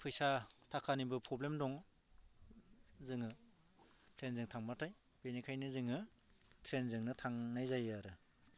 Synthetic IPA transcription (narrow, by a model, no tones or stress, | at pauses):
pʰɯjsatʰakʰanibɯpʰɾɔblemdɔŋ | zɯŋɯ | pʰɾenzɯŋtʰaŋmatʰaj | benikʰajnɯzɯŋɯ | tʰɾenzɯŋnɯtʰaŋnajzajaɾɯ